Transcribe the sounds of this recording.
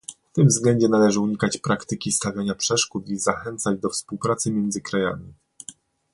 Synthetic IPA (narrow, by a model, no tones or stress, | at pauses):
ft̪ɘmvzɡlɛɲd͡ʑɛnalɛʐɘuɲikat͡ɕpɾakt̪ɘkʲist̪avʲjaɲapʂɛʂkut̪izaxɛnt̪sad͡ʑd̪ɔfspuwpɾat̪sɘmʲjɛnd̪zɘkɾaja̰mʲi